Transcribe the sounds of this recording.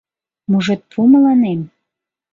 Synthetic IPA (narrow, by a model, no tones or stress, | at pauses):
muʒet̪̚pʰuməlɑnem